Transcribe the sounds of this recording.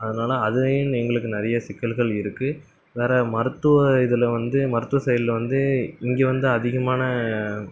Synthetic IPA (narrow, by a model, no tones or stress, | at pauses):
ɐðɐnaːlɐːðɯɪnɛŋɡɐɭɯkːɯnɐɾɐjɐsɪkːɐlɣɐɭɪɾɯkːɯ | ʋeːɾɐmɐɾɯt̪ːɯʋɐɪðɯlɐʋɐnd̪ɯmɐɾɯt̪ːɯʋɐsɐjɐlɪlʋɐnd̪ɯɪŋɡeːʋɐnd̪ɯɐðɪɣɐmaːnɐ